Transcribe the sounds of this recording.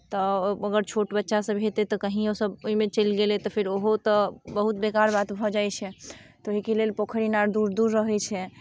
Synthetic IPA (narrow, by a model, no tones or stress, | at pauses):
t̪ɔəɡəɾt͡ʃʰoʈbətːʃasəbɦet̪et̪ɔkəɦĩosəboɦimet͡ʃəlɡelɛt̪ɔpʰiɾoɦot̪ɔbəɦut̪bekaɾbat̪bʱɔd͡ʒajt͡ʃʰɛt̪oɦikelelpokʰəɾinaɾd̪uɾd̪uɾːəɦɛt͡ʃʰɛ